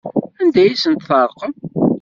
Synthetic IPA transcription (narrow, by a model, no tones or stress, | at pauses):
ænd̪æjisənt̪θəɾˤqəm